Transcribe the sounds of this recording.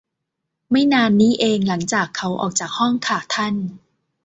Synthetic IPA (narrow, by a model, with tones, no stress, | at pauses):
ma˥˩jnaː˧nːiː˦˥ʔeː˧ŋla˩˦ŋt͡ɕaː˨˩kʰːa˦˥wʔɔ̰ː˨˩k̚t͡ɕaː˨˩k̚hɔ˥˩ŋkʰaː˨˩t̪ʰa˥˩n